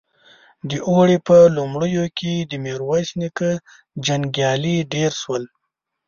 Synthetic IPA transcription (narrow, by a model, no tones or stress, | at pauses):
d̪əʔoɽepəlumɽəjokʰed̪əmeɾwajsnikə | d͡ʒaŋɡjɑliɖeɾʃwəl